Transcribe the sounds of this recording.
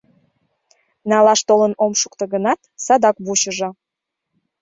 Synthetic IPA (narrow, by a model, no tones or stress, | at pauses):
nɑlɑʃt̪olənomʃukt̪əɣənɑt̪sɑd̪ɑk̚buɕəʒɤ̆